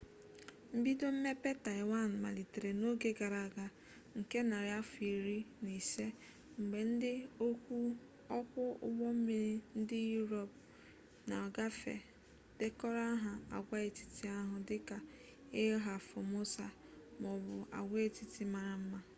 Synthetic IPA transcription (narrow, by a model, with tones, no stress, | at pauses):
m̩˦bi˦do˦m̩˦me˦pe˦ta˨ɪ˨wa˦˨n˨ma̰˨li˨te˨ɾe˨no˦ɡe˦ɡa˨ɾa˨ɡa˨ | ŋ̩˨ke˦na˨ɾja˦fi˨ɾi˦ni˨se˦ | ŋ͡m̩˨ɡ͡be˨n̩˦dɪ˦o˦kʷu˦ | ɔ˦kʷʊ˦ʊ̰˦wɔ˦m̩˦mi˨ɾi˦n̩˦dɪ˦ju˦ɾo˨p̚ | na˨ɔ˨ɡa˦fḛ˨ | d̥e˦kɔ˦ɾa˦ɦa˨a˨ɡʷa˦e˨ti̥˨ti˦a˦ɦʊ˨dɪ˦ka˨ | ɪ˦ɦa˨fo˨mo˦sa˨ | m˨ɔ˨bʊ˨a̰˨ɡʷe˦e˦ti˨ti˦ma˨ɾa˨m̩˦ma˦